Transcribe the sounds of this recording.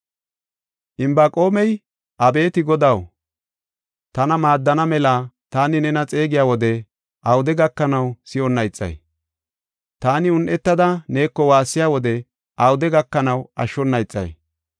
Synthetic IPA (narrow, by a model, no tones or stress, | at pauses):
ʔɪmbaːkʼo̞ːmɛj | ʔɐbe̞ːt̪ɪɡɔd̪ɐw | t̪ɐnɐmaːd̪ːɐnɐmɛlat̪aːnɪnɛnɐt͡sʼe̞ːɡɪjaːwɔd̪ɛ | ʔɐwʊd̪ɛɡɐkːɐnɐwsɪɔnːɐjt͡sʼːɐ̰j | t̪aːnɪʊnʔɛt̪ːɐd̪ɐne̞ːkːɔwaːsːɪjaːwɔd̪ɛ | ʔɐwʊd̪ɛɡɐkːɐnɐwɐ̰ʃːɔnːɐjt͡sʼːɐ̰j